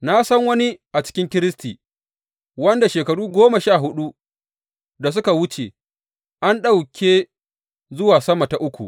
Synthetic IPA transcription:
na˦sɐ˦ŋwɐ˦ni˦ʔa˨t͡ʃɪ̥˦kʲɪ˦ŋkʲɪ˦ɾɪ˦stiː˨ | wɐ˦nda˨ʃeː˨kɐ˨ɽuː˦ɡʷoː˦ma˨ʃaː˦˨ɦʊ˦ɗu˦ | da˨s̬ʊ˦ka˨wʊ˦t͡ʃe˨ | ʔa˦nɗa˦wkʲeː˦ | zʊ˦waː˨sɐ˦ma˨ta˨ʔʊ˦kʷṵ˨ʔ

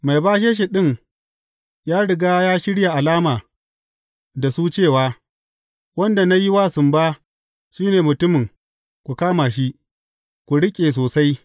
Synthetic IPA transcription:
ma˨jbaː˦ʃ̬eː˦ʃ̬e˨ɗɪ˦˨ŋ | jaː˦ɽɪ˨ɡaː˦jaː˦ʃɪ˦ɽja˨ʔa˨laː˦maː˨ | da˨suː˦t͡ʃeː˦˨waː˨˦ | wɐ˦nda˨na˦ji˦waː˦˨sʊ˨mbaː˦ | ʃiː˦neː˨mʊ˨tʊ˦mɪ˨ŋ | kʷu˨kaː˦maː˨ʃ̬i˦ʔ | kʷu˨ɽɪ˦kʲʼeː˨s̬oː˨sa˦j

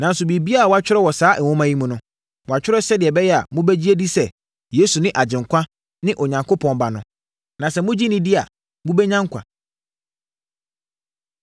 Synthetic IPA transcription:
nã˨n̩˦sʊ˨bi˨bi˦a˦a˨wɔ˨˦a˦t͡ɕᶣɪ˦ɾɛ˦wɔ˨saː˨˦ʔwɔ̃˦mã˦ji˦mũ˨nʊ̃˦ | wɔ˨a˨t͡ɕᶣɪ˦ɾɛ˦sɛ˦dɪ˨ɛ˨bɛ˦jɛ˦a̰˨mʊ̃˦bɛ˦d͡ʑi˦e˦di˦sɛ˨ | je˦su˨nɪ̃˦ʔa˨d͡ʑɪ̃˨ŋ˨kʰʷã˦ | nɪ̃˦ʔɔ˨ɲã˨ŋkʰo˦pʰɔ̃˨n˨ba˨nʊ̃˨ | nã˨sɛ˨mʊ̃˦d͡ʑi˦nɪ̃˦dɪ˦a̰˨ | mũ˦bɛ˦ɲã˦ŋ˦kʷʰã̰˨

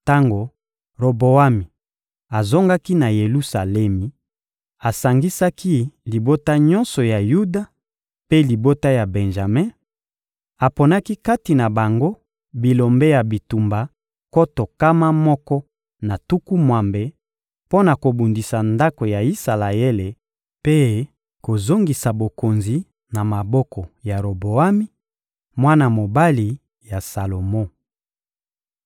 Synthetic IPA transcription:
ta˦ŋɡo˨ | ʁo˨bo˨a˦mi˨ | a˨zo˦ŋɡa˦ki˦na˨je˨lu˦sa˨lɛ˦mi˨ | a˨sa˨ŋɡi˦sa˦kʰi˦li˨bo˦ta˦ɲɔ̃˦nsɔ˨ja˨ju˦da˦ | pe˦li˨bo˦ta˦ja˨bɛ˨nʒa˨mɛ˦ | a˨po˨na˦ki˦ka˦ti˨na˨ba˨ŋɡo˦ | bi˨lo˨mbe˦ja˨bi˨tu˨mba˨ | ko˦to˨ka˦ma˦mɔ˦kɔ˦ | na˨tu˦ku˦mwa˨mbe˨ | po˦na˨ko˨bu˨ndi˨sa˨nda˦ko˨ja˨i˦sa˨la˨e˦le˨ | pe˦ | ko˨zo˦ŋɡi˨sa˨bo˨ko˨nzi˨ | na˨ma˨bɔ˦kɔ˨ja˨ɾo˨bo˨a˦mi˦ | mwa˦na˨mo˨ba˦li˨ | ja˨sa˨lo˨mo˦

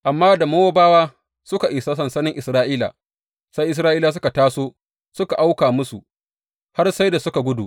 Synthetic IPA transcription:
ʔa˨mːaː˦da˨moː˦woː˦baː˦waː˦ | sʊ˦ka˨ʔɪ˨sa˦sɐ˨nsɐ˦nɪ˦ŋʔɪ˨sɾaː˦ʔiː˦la̰˨ | sa˦jʔɪ˨s̬ɾaː˦ʔiː˦la˨s̬ʊ˦ka˨taː˦soː˦ | sʊ˦ka˨ʔa˦wkaː˨mʊ˦sṵ˨ | ha˦rsa˦jda˨sʊ˦ka˨ɡʷʊ˦dṵ˨ʔ

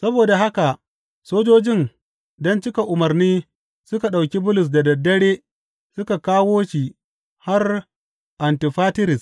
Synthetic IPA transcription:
sɐ˦boː˨da˨ɦa˦ka˨ʔ | soː˦d͡ʒoː˦d͡ʒɪ˦n | dɔ˦nt͡ʃɪ˦ka˨ʔʊ˨mɐ˨rniː˦ | sʊ˦ka˨ɗa˨wkʲi˦bʊ˦lʊ˨s̬da˨dɐ˨dːɐ˦ɽeː˦ | sʊ˦ka˨kaː˦woː˦ʃi˨ | ha˦r | ʔa˨ntɪ˨ɸaː˦tɪ˦ɾɪ˨s

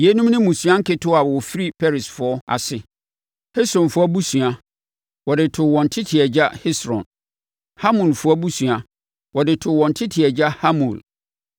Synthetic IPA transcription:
je˦nũ˦mnɪ̃˦mũ˨sũ˨ã˦ŋ̩˦kʰɪ˦tʰʊ˦a˨wwɔ˨fi˦ɾi˦pʰɛ˦ɾɪ˨sfʊ˨ɔ˦a̰˨sɪ˨ | hɪ˦sɾɔ̃˨nfʊ˦ɔ˦bu˦sɥa˨ | wɔ˨dɪ˨tʰʊ˨wɔ̃˨n˨tʰɪ˦tʰɪ˨ɛ˨d͡ʑa˦hɪ˦sɾɔ̰̃˨n | ha˦mũ˨lfʊ˦ɔ˦bu˦su˨a˨ | wɔ˨dɪ˨tʰʊ˨wɔ̃˨n˨tʰɪ˦tʰɪ˨ɛ˨d͡ʑa˦ha˦mṵ̃˨l

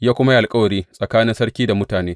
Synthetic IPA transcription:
jaː˦kʷʊ˦ma˦jʔa˨lkʼɐ˦wɐ˨ɽiː˦sʼɐ˨kaː˦nɪ˦nsɐ˦ɽkʲiː˦da˨mʊ˦taː˨neː˦

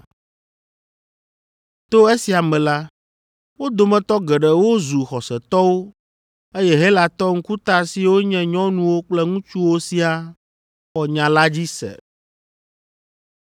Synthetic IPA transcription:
t̪o˦e˦si˨a˨mɛ̃˨la˦ | wo˦d̪o˨mɛ̃˨t̪ɔ˦ɡɛ˨ɖɛ˨wo˦zu˨xɔ˨sɛ˨t̪ɔ˦wo˦ | e˦jɛ˦ɦe˦la˨t̪ɔ˦ŋ̩̃˦ku˦t̪a˦si˦wo˦ɲɛ̃˦ɲɔ̃˦nũ˦wo˦k͡plɛ˦ŋũ˦t͡ʃu˦wo˦si˦a˦ | xɔ˨ɲã˨la˦d͡ʑi˦sɛ̰˨

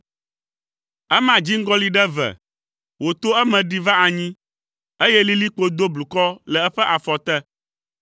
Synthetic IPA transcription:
ɛ˦mã˨d͡ʑi˦ŋ̩˦ɡɔ˦li˦ɖɛ˦vɛ̰˨ | wo˨t̪o˦ɛ˦mɛ̃˨ɖi˦va˦a˨ɲĩ˦ | e˦jɛ˦li˦li˦k͡po˦d̪o˦blu˨kɔ˦lɛ˨ɛ˦ɸɛ˦ʔa˨fɔ˨t̪ɛ˦

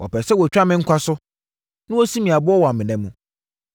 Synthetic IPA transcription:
wʔɔ̰˨pʰɛ˨sɛ˦wɔ˨t͡ɕᶣa˦mɪ̃˨ŋ̩˦kʷʰa˦sʊ˦ | nɪ̃˦ɔ˦si˦mĩ˨a˨bʊ˦ɔ˦wɔ˨a˨mɪ̃˨nɛ̃˦mːũ˦

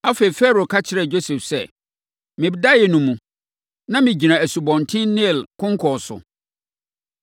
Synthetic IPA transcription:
a˦fe˨i˨fɛ˦ɾo˨kʰa˦t͡ɕʰɪ˨ɾɛ˨d͡ʑo˦sɛ˨fsɛ˦˨ | mɪ̃˨bɪ˨˦da˦jɛ˨nũ˨mũ˨ | nã˦mɪ̃˨d͡ʑi˨nã˨æ˨su˨bɔ̃˨ntʰɪ̃˦nnɪ̃˦˨lkʰʊ̃˦ŋ˦kʰɔ˨sʊ̰˨

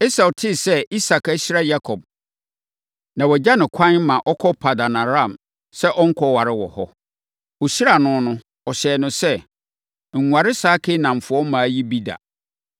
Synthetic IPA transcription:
e˦sa˨tʰɪ˦sɛ˦i˦sa˨ka˦ɕi˦ɾa˦ja˦kʰɔ˨b̚ | nã˨wɔ˨d͡ʑa˦nɪ̃˨kʷʰã˦n˦mã˨ʔɔ˦kʰɔ˦pʰa˨da˨nã˨ɾã˦˨m | sɛ˦ʔɔ˦ŋ̩˦kʰɔ˦wa˨ɾɪ˦wɔ̰˨hɔ̰˦ | wo˨ɕi˦ɾa˨nʊ̃˦nʊ̃˦ | ɔ˨ɕɛː˨nʊ̃˨sɛ˦ | ŋ̩˨ŋʷa˨ɾɪ˦saː˦kʰɪ˦nã˨m˨fʊ˨ɔ˦mã˨ji˦bi˦da̰˨

